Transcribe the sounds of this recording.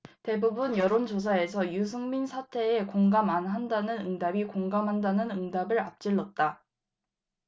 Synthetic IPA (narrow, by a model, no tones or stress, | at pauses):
te̞bubunjʌɾond͡ʑos̬ʰae̞sʰʌjus̬ʰɯŋminsʰatʰe̞ekoŋɡamanɦandanɯnɯŋdabikoŋɡamɦandanɯnɯŋdabɯɾap̚t͡ɕ͈iɭːʌt̚t͈a